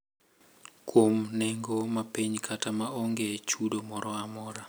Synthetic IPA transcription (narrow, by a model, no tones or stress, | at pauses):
kwomnɛŋɡɔmapeɲkʰatamaʔɔŋɡɛt͡ʃʰuɗomɔɾɔamɔɾa